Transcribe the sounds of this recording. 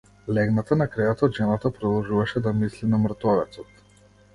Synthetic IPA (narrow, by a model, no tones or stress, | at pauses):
lɛɡnat̪anakɾɛjat̪aːd̪ʒɛnat̪apɾɔd̪ɔlˠʒuvaʃɛd̪amislinamɾ̩t̪ɔvɛt̪sɔt̪